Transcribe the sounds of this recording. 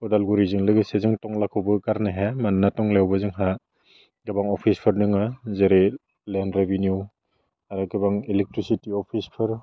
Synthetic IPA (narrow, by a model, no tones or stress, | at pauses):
ɔdalɡuɾizɯŋlɯɡɯsezɯŋtɔŋlakʰɯwbɯkaɾneɦemannatɔŋlewbɯzɯŋɦa | ɡɯbaŋɔpʰispʰɯɾnɯŋɯzeɾe | lenɾebinju | aɾɯɡɯbaŋilek̚tɾisitiɔpʰispʰɯɾ